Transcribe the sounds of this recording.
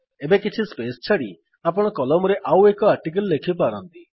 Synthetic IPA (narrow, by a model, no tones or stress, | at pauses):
ebekit͡ʃʰispest͡ʃʰaɽi | apɔɽ̃ɔkɔlɔmɔɾeʔawekɔaɾʈik̬əlːekʰip̬aɾɔnt̪i